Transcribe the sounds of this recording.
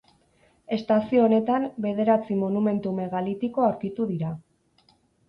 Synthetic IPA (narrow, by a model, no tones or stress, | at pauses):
e̞st̪asio̞ːne̞t̪ambe̞ð̞e̞ɾat͡simo̞nume̞nt̪ume̞ɣalit̪iko̞awɾkit̪uðiɾa